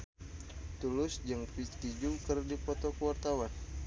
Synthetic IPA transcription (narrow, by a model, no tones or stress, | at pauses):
t̪ulʊsd͡ʒəŋpiskid͡ʒukərdipɔt̪okəwart̪awan